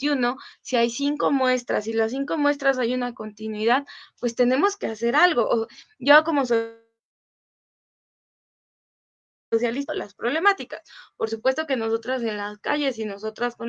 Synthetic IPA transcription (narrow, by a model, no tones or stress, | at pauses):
t̪juno̞siajsiŋko̞mwe̞st̪ɾa̰silas̬ːiŋko̞mwe̞st̪ɾas̬ajunako̞nt̪inwiðaðpwe̞st̪e̞ne̞mo̞ske̞ase̞ɾalɣo̞ʔoɟ͡ʝoko̞mo̞so | os̬jalisolaspɾoβle̞mat̪ikaspo̞ɾsupwe̞st̪o̞ke̞no̞so̞t̪ɾas̬e̞nlaska̰ʝe̞s̬ino̞so̞t̪ɾasko